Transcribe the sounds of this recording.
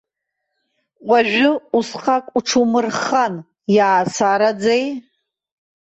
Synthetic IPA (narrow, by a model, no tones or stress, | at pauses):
qʷʼaʒᶣʊusqʰʼakʷʼuʈ͡ʂʰumɨrχan | jaːsaɾad͡zej